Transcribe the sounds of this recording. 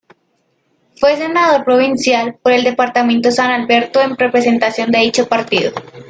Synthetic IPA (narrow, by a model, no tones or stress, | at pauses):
fwes̬e̞naðo̞ɾpɾoβ̞insjalpoɾe̞ld̪e̞paɾt̪amẽnt̪osanalbeɾt̪oemrepɾese̞nt̪asjo̞nd̪e̞ðit͡ʃopaɾt̪iðo